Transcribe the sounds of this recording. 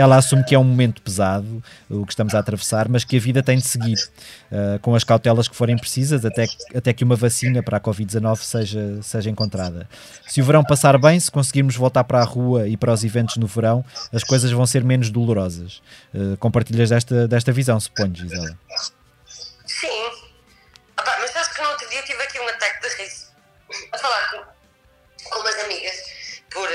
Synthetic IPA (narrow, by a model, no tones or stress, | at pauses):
ɛlˠɐasumkɛũmumẽnt̪u̥pɨzaðuːkʃt̪ɐmuzaːt̪ɾɐvɨsaɾmɐʃkɨɐviðɐt̪ɐ̃j̃d̪ɨsɨɣiɾɛkõɐʃkawt̪ɛlˠɐʃkɨ̥foɾɐ̃j̃pɾsizɐzɐt̪ɛɐt̪ɛkɨumɐvɐsinɐpɐɾakɔvid̪zɐnɔvsɐʒɐsɐjʒɐẽŋkõnt̪ɾaðɐ̰ | sɨuvɨɾɐ̃w̃pɐsaɾβɐ̃j̃sɨ̥kõsɣiɾmuʒvolˠt̪aɾpɐɾaʁuɐipɐɾɔzivẽnt̪uʒ̥nuvɨɾɐ̃w̃ɐʃkojzɐʒvɐ̃w̃seɾmenuʒðulˠuɾɔzɐʃɛkõmpɐɾt̪iʎɐʒðɛʃt̪ɐd̪ɛʃt̪ɐvizɐ̃w̃sɨ̥poɲʒizɛlˠɐ | sĩ | ɔpamɐʃsaβʃknɐot̪ɾuðiɐt̪ivɐkiũɐt̪ak̚ðɨʁiz | ɐfɐlˠaɾkõ | kõmɐzɐmiɣɐʃpɔɾ